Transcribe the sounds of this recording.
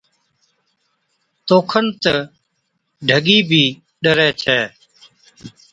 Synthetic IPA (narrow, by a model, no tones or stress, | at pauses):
t̪oːkʰənt̪ə | ɖʱəɠiːbʱiː | ɗəɾɛːt͡ʃʰɛː